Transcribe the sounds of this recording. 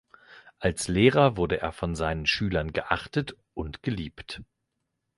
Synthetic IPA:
ʔalsleːʁɐvʊɐdəʔḛːɐfɔnzaɪnənʃyːlɐnɡəʔaχtət | ʔʊntɡ̥əliːpt

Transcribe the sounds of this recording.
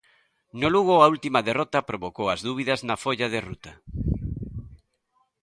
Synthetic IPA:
noluɣoault̪imɐðerɔt̪ɐpɾoβokowɐzðuβ̞iðɐznɐfoʎaðerut̪ɐ

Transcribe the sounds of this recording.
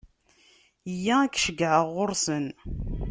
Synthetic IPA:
jːæækʃəɡʕəʁːʊɾsən

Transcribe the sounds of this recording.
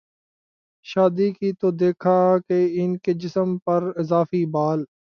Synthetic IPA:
ʃaːd̪ikit̪od̪eːkʰaːkeɪnked͡ʒɪsəmpɐɾɪzaːfiːbaːl

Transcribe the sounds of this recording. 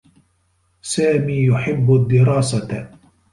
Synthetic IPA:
saːmiːjʊħɪbːʊd̪ːɪɾˤɑːsa

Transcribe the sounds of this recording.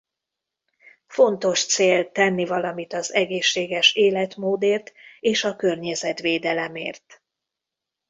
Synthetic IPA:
fo̞nt̪o̞ʃt̪seːlt̪ɛnːivɒlɒmit̪ɒzɛɡeːʃːeːɡɛʃeːlɛt̪moːd̪eːrt̪eːʃɒkø̞rɲɛzɛt̪ʋeːd̪ɛlɛmḛːrt̪

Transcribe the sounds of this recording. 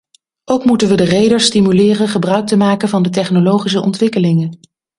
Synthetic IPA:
ʔowkmutənʋədərejdəɹstimylɪːrəχəbrœɥk̚təmaːkənvɑndət̬ɛχnolowχis̬əʔɔ̰ntʋɪkəlɪŋən

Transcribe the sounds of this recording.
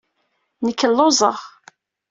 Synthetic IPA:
nəkːəlːozˤəʁ

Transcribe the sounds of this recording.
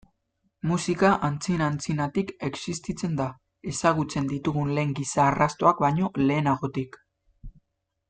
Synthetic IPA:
musikaʔant͡sinant͡sinat̪ike̞ksist̪it͡se̞nd̪a | e̞saɣut͡se̞nd̪it̪uɣ̞unle̞ːŋɡisaːrast̪o̞ak̚baɲo̞le̞ːnaɣo̞t̪ik

